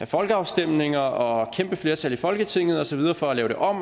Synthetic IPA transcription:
æfɒ̽lɡ̥əɑ̈ʊsd̥em̰ne̝ŋɐɒ̽kʰemb̥əfle̝ɐt͡sʰælifɒ̽lɡ̥ət͡sʰe̝ŋ̰ð̞̩ˠɒ̽sɒʋið̞ˠɐːfɒ̽ælɛːʊde̝ʔɒ̽m̰

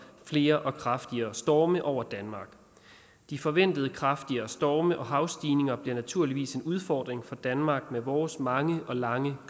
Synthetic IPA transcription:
fle̝ːɐʔɒ̽kʰʁɑ̈fd̥iɐːsd̥ɒːməʔɒʊ̰ɐd̥ænmɑ̈ːɡ̥ | d̥ifɒ̽ʋen̰d̥əð̞̩ˠkʰʁɑ̈fd̥iɐːsd̥ɒːməʔɒ̽ɦɑ̈ʊsd̥iːne̝ŋɐb̥le̝næt͡sʰuɐ̰liʋḭːse̝nuð̞ˠfɒ̰ːd̥ʁeŋfɒ̽d̥ænmɑ̈ːɡ̥̚meʋɒːsmɑ̈ŋəʔɒ̽lɑ̈ŋə

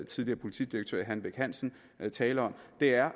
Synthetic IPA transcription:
t͡sʰiðˠliɐːpʰo̝lit͡sʰḭd̥iɐɡ̥̚t͡sʰø̰ːɐɦænʋeɡ̥hæn̰sn̩ | t͡sʰɛːləɐɒ̽m̰d̥e̝æɐ

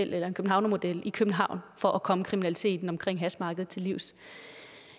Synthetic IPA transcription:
el̰elɐenkʰøb̥n̩hɑ̈ʊnmo̝d̥el̰ikʰøb̥n̩ɦɑ̈ʊ̰nfɒ̽ʔækʰɒ̽məkʰʁiminælit͡sʰe̝̰ːd̥n̩ɒ̽mkʰʁeŋ̰ɦæsmɑ̈ːɡ̥əð̩ˠt͡sʰe̝lːiʊ̰s

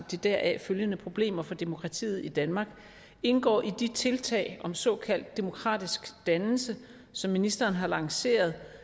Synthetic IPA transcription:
d̥id̥æɐ̰ʔæføljənəpʰʁo̝b̥le̝̰ːmɐfɒ̽d̥e̝mo̝kʰʁɑ̈t͡sʰḭːð̩ˠid̥ænmɑ̈ːɡ̥ | e̝nɡ̥ɒ̰ːʔid̥it͡sʰe̝lt͡sʰɛ̰ɪʔɒ̽msɒ̽ːkʰæl̰d̥ːe̝mo̝kʰʁɑ̰̈ːd̥isɡ̥d̥ænl̩sə | sɒ̽mːinisd̥ɐːnɦɑ̈lɑ̈ŋse̝̰ːɐð̞ˠ

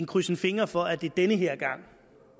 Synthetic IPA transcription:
nkʰʁysn̩fe̝ŋɐfɒ̽æd̥e̝d̥enəɦeɐ̰ɡ̥ɑ̈ŋ̰

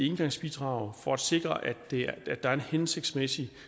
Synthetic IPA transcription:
enɡ̥ɑ̈ŋ̰sb̥id̥ʁɑ̈ːʊfɒ̽æd̥se̝ɡ̥ʁɐʔæd̥eæd̥ɑ̈æɐenhense̝ɡ̥̚d̥smesi

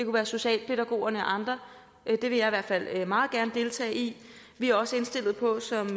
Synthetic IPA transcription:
d̥e̝kʰuʋæːɐso̝ɕɛ̰ːlpʰe̝ɾæɡ̥o̝̰ːɐnəɒ̽ʔɑ̈nd̥ʁɐ | d̥e̝ʋe̝jɑ̈iʋæɐ̰d̥fæl̰mɑ̈ːð̞̩ˠɡ̥æɐnəd̥e̝lt͡sʰɛ̰ːi | ʋiæɐɒ̽səe̝nsd̥e̝l̰ð̩ˠpʰɒ̽sɒ̽m

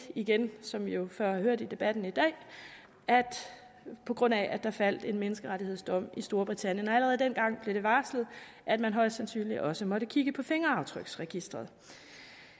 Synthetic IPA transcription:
iɡ̥ensɒ̽mjo̝fɶɐ̰hɑ̈høɐ̰d̥id̥e̝b̥æd̥n̩id̥ɛ̰ː | æd̥ | pʰɒ̽ɡ̥ʁɔ̽n̰æʔæd̥ɑfæl̰d̥e̝nmenəsɡ̥əʁaɾiheð̞̰ˠsd̥ɒ̽m̰isd̥o̝ɐb̥ʁit͡sʰæn̰jənɒæləʁɛð̞̩ˠd̥enɡ̥ɑ̈ŋ̰b̥le̝ɾ̥e̝ʋɑ̈ːslð̩ˠ | ʔæd̥mænɦɒ̽ɪ̰d̥sænsy̰ːnliɒ̽səmɒ̽ɾəkʰiɡ̥əpʰɒ̽fe̝ŋɐɑ̈ʊt͡sʰʁœɡ̥sʁɛɡ̥isd̥ʁɐðˠ

